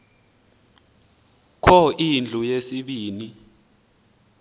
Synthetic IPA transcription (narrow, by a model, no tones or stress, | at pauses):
kʰɔʔind͡ɮʱujesiɓiːni